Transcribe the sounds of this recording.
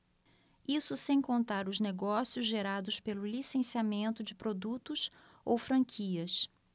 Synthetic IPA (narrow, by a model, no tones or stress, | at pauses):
isʊsẽj̃kõnt̪aɾʊzneɡɔsiʊzʒeɾad̪ʊspelʊlisẽsiamẽnt̪ʊd͡ʒɪpɾod̪ut̪ʊs | owfɾɐ̃ŋkʰiɐs